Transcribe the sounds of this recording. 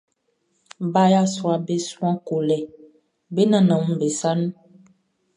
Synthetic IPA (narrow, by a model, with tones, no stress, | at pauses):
ba˦ja˦sɔ˦a˨be˦sũ˦ã˦ko˨lɛ˨ | be˦nã˨nã˨mũ˦be˨sa˦nũ˦